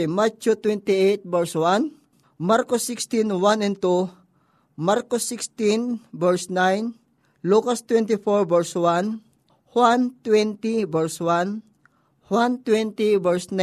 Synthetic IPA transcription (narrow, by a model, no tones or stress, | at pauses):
mat͡ʃot̪wɛnt̪iejt̪̚bɛɹswan | maɾkosːɪkst̪inwanɛ̃nt̪u | maɾkosːɪkst̪ĩnbɛɹsnajn | lukast̪wɛnt̪ifɔɹbɛɹswan | hwant̪wɛnt̪ibɛɹswan | hwant̪wɛ̃nt̪ibɛɹsna